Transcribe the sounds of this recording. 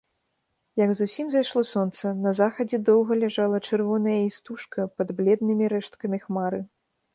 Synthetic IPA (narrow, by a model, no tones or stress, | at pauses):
jɐɡzusʲimzajʂlˠɔsɔnt̪sɐnɐzaxɐd͡zʲɛd̪ɔwɣɐlʲɛʐalˠɐt͡ʂɨrvɔnɐjɐist̪uʂkɐpɐd̪blʲɛd̪nɨmʲiɾɛʂt̪̚kɐmʲixmaɾɨ